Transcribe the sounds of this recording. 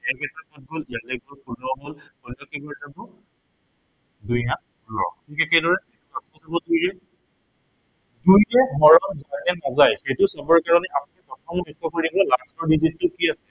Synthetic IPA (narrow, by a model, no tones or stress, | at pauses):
ɛkɛtapɔt̚ɡolialɛɡɔɹpʰulɔɦolxɔlɔkebɔzabɔ | duja | ɔ̰tʰikɛkɛdɔɹɛɛpɔtʰɔzabɔdujɛ | dujɛmɔɹɔmzajnɛnazajxejtʊsabɔɹkaɹɔnɛapunɛpɔtʰɔmɔbɛkʰːɔkoɹibɔlastɔɹdizitːʊkiasɛ